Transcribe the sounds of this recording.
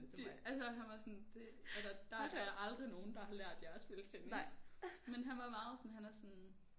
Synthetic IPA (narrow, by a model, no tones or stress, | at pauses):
eælsɒɦænʋɑ̈sɔnd̥e̝ | æsɐd̥ɑ̥̈æjɑʔɑ̈ld̥ʁino̝ːn̩d̥ɑ̈ɦɑ̈læɐ̰d̥jɑɐsb̥e̝lət͡sʰeŋ | menɦænʋɑ̈mɑ̈ːð̩ˠsɒnɦænæɐsɔn